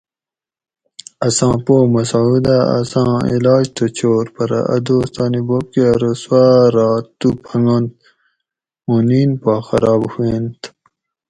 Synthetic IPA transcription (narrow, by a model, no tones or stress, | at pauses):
ɐsɑ̃ːpoːmɐsud̪aɐ̰sɑ̃ːḭlɑːd͡ʑt̪ʰot͡ɕʰoːɾpɐɾa̰ʔɐ̰d̪oːst̪ɑːnibop̚keɾoswaɾɑːt̪ːupʰɐŋɡont̪̚ | muniːnpɑːxɐɾɑːbhuent̪